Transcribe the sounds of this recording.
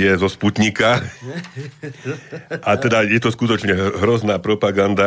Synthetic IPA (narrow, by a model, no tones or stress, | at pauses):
jɛzɔsput̪ɲika | at̪ɛd̪ajɛt̪ɔskut̪ɔt͡ʃɲɛɦɾɔznaːpɾɔpaɡand̪a